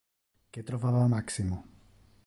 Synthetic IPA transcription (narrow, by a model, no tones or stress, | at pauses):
kɛt̪ɾɔfaʋaːmaksimu